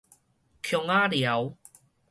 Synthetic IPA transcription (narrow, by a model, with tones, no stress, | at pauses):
kʰjɔ˧ŋa˦lja˨˦w